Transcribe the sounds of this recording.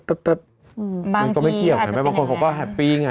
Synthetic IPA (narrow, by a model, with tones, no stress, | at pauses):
t̪̚ːt̪ə˧˩˧ | a˧kɔ˥˩ma˥˩k̪i˥˩wa˦˨˦ma˦˥˩baː˧ko˧nkʰa˨˩˦wkɔː˥˩ɦɛ˨˩piː˧ŋa˧